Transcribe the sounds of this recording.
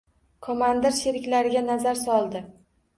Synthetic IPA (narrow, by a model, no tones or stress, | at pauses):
kʰomand̪ɪɾʃeɾɪkʲlaɾɪɡʲanazaɾsɒlˠd̪ɪ